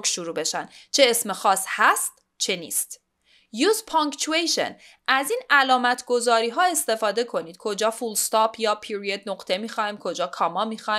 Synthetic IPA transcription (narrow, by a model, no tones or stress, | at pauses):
kʃuɾuːbe̞ʃænt͡ʃʰe̞esmexɒːshæst̪ | t͡ʃʰe̞nḭːst̪ | juːzpʰoŋkt͡ʃuejʃe̞̰n | ʔæziːnælɒːmæt̪ʰɡo̞zɒːɾiːɦɒːe̞st̪e̞fɒːd̪e̞kʰo̞niːd̪̥̚kʰo̞d͡ʒɒːfulst̪ɒːpʰjɒːpʰiɾied̪̚noqt̪ʰe̞miːxɒːimkʰo̞d͡ʒɒːkʰɒːmɒːmixɒ